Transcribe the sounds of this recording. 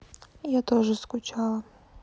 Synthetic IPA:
jat̪ɔʐɨskʊt͡ʃalˠɐ

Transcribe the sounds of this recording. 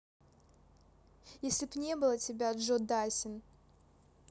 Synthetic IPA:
jesʲlʲɪbnʲe̞bɨlˠətʲɪbʲad̪ʐod̪asʲɪn

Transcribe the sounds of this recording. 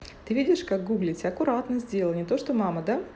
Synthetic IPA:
t̪ɨvʲidʲɪʂkak̚ɡuɡlʲɪtʲɐkʊɾat̪nəzʲdʲelˠənʲɪt̪o̞ʂt̪omaməd̪a

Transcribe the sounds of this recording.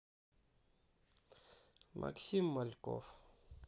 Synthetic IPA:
mʔɐ̰ksimːɐlko̰f

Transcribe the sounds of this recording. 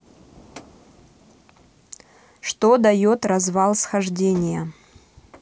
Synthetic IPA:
ʂt̪od̪ɐjot̪rɐzvalˠsxɐʐdʲenʲɪjə

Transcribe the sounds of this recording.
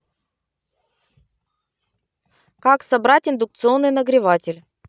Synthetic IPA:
kaksɐbɾatʲɪnd̪ʊk̚t̪sɨo̞nːɨjnəɡɾʲɪvatʲɪlʲ

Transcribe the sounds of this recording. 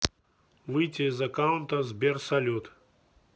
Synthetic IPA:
vɨjtʲɪizɐkawʊnt̪ɐzbʲɛrsɐlʲut̪

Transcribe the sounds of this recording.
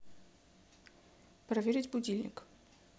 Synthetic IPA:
pɾɐvʲeɾʲɪtʲbʊdʲilʲnʲɪ̰k

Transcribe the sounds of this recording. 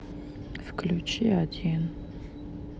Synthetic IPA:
fklʲut͡ʃiad̪ʲin

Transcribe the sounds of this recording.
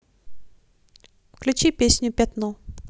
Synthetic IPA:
fklʲʉt͡ɕipʲesʲnʲʊpʲat̪nu

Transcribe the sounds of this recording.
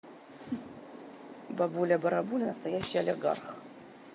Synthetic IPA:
bɐbulʲɐbɐɾɐbulʲɪnəst̪ɐjæɕːɪjɐlʲɪɡa̰rx

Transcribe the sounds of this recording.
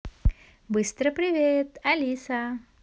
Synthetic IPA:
bɨst̪ɾəpɾʲɪvʲet̪ɐlʲisa

